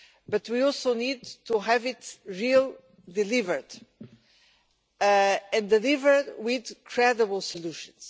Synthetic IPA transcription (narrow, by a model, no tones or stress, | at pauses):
bʌt̪ʰwiɔlˠsonid̪tʰuɦɛvɪtɹilˠ | d̪ilivə˞d̪ | ɨ̃nd̪ɨlivə˞dwɪðkʰɹɛdəbl̩ˠsəluʃə̃ns